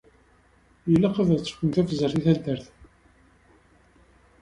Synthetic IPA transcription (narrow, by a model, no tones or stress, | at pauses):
jəlːæqəðət͡sːə̥kʷːənt̪æfəzːəɾθiθæld̪əɾθ